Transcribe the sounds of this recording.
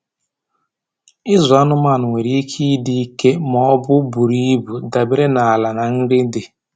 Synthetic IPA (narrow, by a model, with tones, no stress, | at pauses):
ɪ˦zʊ˨a˦nʊ˦ma˦˨nʊ˨ŋʷe˨ɾi˦kʰi˦di˦i˦ke˦mɔ˦ɔ˦bʊ˦bu˨ɾi˦bu˨da˨be˦ɾe˦na˨a˨la˨na˨n̩˦dɪ˦dɪ˨